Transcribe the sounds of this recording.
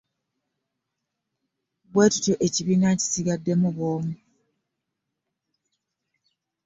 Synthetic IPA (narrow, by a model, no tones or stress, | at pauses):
bwe̞ːtu̥toʔe̞ciβiːnaci̥siɡadːe̞muβoːmu